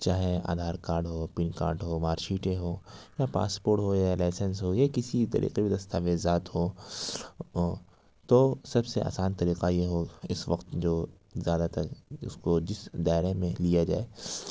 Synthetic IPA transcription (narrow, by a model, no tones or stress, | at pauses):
t͡ʃaːɦea̰ːd̪ʱaːɾkaːɾɖɦoːpɪnka̰ːɾɖɦoːmaːɾʃiːʈẽɦoːjapa̰ːspoːɾʈɦod͡ʒaːelaːɪsənsɦojakɪsit̪ɐ̰ɾʔḭːqebʱid̪ɐst̪ʰaːʋezaːt̪ɦoː | t̪oːsɐbseʔa̰ːsaːnt̪ɐɾiːqajeɦoɪsʋɐqt̪d͡ʒoː | zjaːd̪at̪ɐkʊ̰skod͡ʒɪsd̪aːɪɾemẽlijad͡ʒa̰ːeː